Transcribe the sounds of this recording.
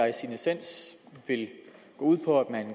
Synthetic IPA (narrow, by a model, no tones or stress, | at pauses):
ɑ̈ɪsinisen̰s | ʋe̝l | ɡ̥ɔ̰̽ːuð̰ˠpʰɒ̽æd̥mæn